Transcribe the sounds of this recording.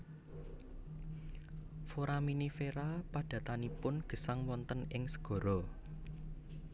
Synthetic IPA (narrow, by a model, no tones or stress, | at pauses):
foɾaminifeɾapad̥ä̤t̪anipʊnɡ̥ə̤saŋwɔnt̪ənɪŋsə̥ɡ̥ɔ̤ɾɔ